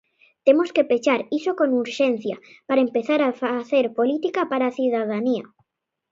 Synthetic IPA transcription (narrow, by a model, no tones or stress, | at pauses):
t̪emoskepet͡ʃaɾisokonuɾʃen̟θjapaɾaempeθaɾafaθeɾpolit̪ikapaɾaːθiðað̞aniɐ̰